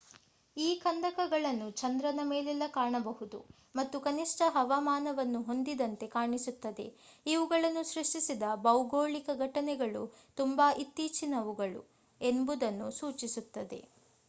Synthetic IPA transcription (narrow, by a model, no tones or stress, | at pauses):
iːkɐnd̪ɐkɐɡɐɭɐnːut͡ʃɐnd̪ɾɐnɐmeːlɛlːɐkaːɳɐbɐɦud̪ṵ | mɐt̪ːukɐniʂʈɐɦɐʋamaːnɐʋɐnːuɦo̞nd̪id̪ɐnt̪e̞kaːɳisut̪ːɐd̪e̞iʋuɡɐɭɐnːuʃɾuʂʈisid̪ɐbɐwɡoːɭikɐɡʱɐʈɐnɛɡɐɭut̪umbaʔit̪ːiːt͡ʃinɐʋuɡɐɭṵ | e̞mbud̪ɐnːusuːt͡ʃisut̪ːɐd̪e̞̰